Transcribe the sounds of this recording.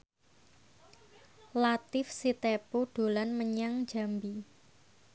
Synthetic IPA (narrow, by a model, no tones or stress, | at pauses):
lat̪ɪfsit̪epoɖ̥o̤lanməɲaŋ̥d͡ʒ̥a̤mbi